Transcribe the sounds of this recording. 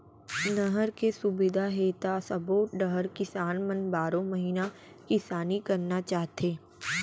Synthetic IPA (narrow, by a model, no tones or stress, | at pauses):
nəɦəɾkesʊbɪd̪ʱaɦeːt̪asɐpoːʈ̚ɖəɦəɾkɪsaːnmɐnbaːɾõmɐɦiːna | kɪsaːnikɐɾnat͡ʃaːɦt̪ʰeː